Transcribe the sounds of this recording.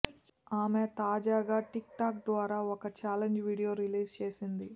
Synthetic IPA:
aːmet̪aːd͡ʒaːɡaːʈik̚ʈaːk̚d̪ʋaːɾaːɔkɐt͡ʃaːleɲd͡ʒʋiːɽijo̞ːɾiliːst͡ʃe̞ːsind̪i

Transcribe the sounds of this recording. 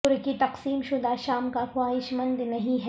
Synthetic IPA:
ʊɾkit̪ɐqsiːmʃʊd̪aʃaːmkaxwaːɦɪʃmɐ̃nd̪nɐɦĩɦɛ

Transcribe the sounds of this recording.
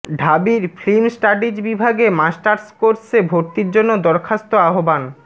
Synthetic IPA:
ɖʱabiɾfʰɾimsʈaɖid͡ʑbibʱaɡemasʈaɾskoɾsebʱoɾt̪iɾd͡ʑonːod̪ɔɾkʰast̪oaɦoban

